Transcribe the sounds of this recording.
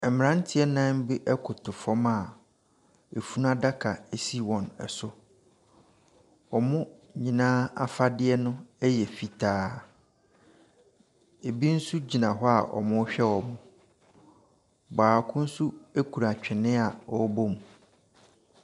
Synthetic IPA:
ɛ˨mɪ̃˨ɾã˦n˦tʰɪ˦ɛ˦nã˦m˦bi˦ʔɛ˦kʰʊ˨tʰʊ˨fɔ˦ma˨ | e˨fu˦n˦a˦da˦kʰa˨e˨si˦wɔ̃˨nɛ̰˨sʊ˦ | ɔ˨mʊ̃˦ɲĩ˨nãː˦a˦fa˦dɪ˦ɛ˦nʊ̃˦ɛ˦jɛ˨fi˨tʰaː˦ | e˨bi˦n̩˦su˦d͡ʑi˨nã˨ɦɔ˦a̰˨ʔɔ̰˨mʊ̃˦ɕᶣɛ˦wɔ˨mʊ̃˦ | baː˨kʰʊ̃˦n̩˦su˦e˦kʰu˨ɾa˨t͡ɕᶣɪ˨nɪ̃˦a˨ɔ˦bo˦m˨

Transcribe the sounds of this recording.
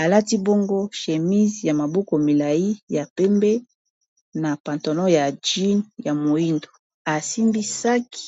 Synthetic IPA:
a˨la˦ti˦bo˦ŋɡo˦ʃe˨mi˦zja˨ma˨bo˦ko˨mi˨la˨ji˦ja˨pe˦mbɛ˦ | na˨pa˨nto˨nɔ˦ja˨d͡ʒi˦nja˨mo˨i˦ndo˨ | a˨si˦mbi˦sa˦ki̥˨

